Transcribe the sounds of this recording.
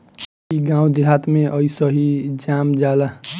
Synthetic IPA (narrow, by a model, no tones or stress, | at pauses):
kiɡãw̃d̪iɦat̪meʔʌjsʌɦid͡ʒamd͡ʒala